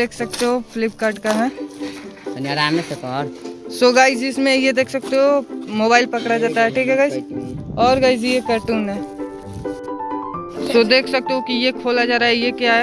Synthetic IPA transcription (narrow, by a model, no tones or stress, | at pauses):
eːkʰsɐk̚t̪eɦopʰlɪp̚kaːɾɖkaɦɛ̃ː | dənjaɾaːmesekɔɾsoɡaːɪd͡ʒismẽjed̪eːkʰsək̚t̪eɦomoːbaːɪlpɐkɽad͡ʒaːt̪aɦɛʈʰiːkɦɛɡaɪd͡ʒɔːɾɡaːɪd͡ʒijekaːɾʈuːnɦɛ̃ | sod̪eːkʰsɐk̚t̪eɦokijekʰoːlad͡ʒaːɾaɦɛjekjaɦɛ